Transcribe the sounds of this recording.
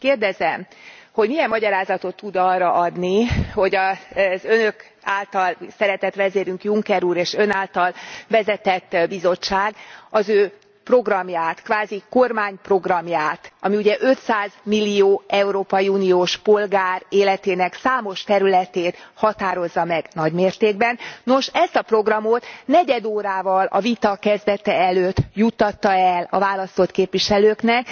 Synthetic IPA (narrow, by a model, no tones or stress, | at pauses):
keːrd̪ɛzɛmho̞ɟmijɛmːɒɟɒɾaːzɒt̪o̞t̪ːud̪ɒːrːɒʔɒd̪niho̞ɟɒzø̞nø̞k | aːlt̪ɒlsɛɾɛt̪ɛt̪ʋɛzeːɾyŋkjuŋkɛɾuːɾeːʃø̞naːlt̪ɒlvɛzɛt̪ɛt̪ːbizo̞t͡ʃːaːɡɒzøː | pro̞ɡrɒmjaːt̪kʋaːziko̞rmaːɲpro̞ɡrɒmjaːt̪ɒmiuɟɛʔø̞t̪saːzmilːijoːɛuɾoːpɒjiuːnijoːʃpo̞lɡaːreːlɛt̪eːnɛksaːmo̞ʃt̪ɛɾylɛt̪eːt̪hɒt̪aːɾo̞zːɒmɛɡnɒɟmeːrt̪eːɡ̚bɛnːo̞ʃɛst̪ɒpro̞ɡrɒmo̞t̪nɛɟɛd̪oːɾaːvɒlɒ̰vit̪ɒkɛzd̪ɛt̪ɛɛløːt̪ːjut̪ːɒt̪ːɒɛlɒ̰vaːlɒst̪o̞t̪keːpʋiʃɛløːknɛk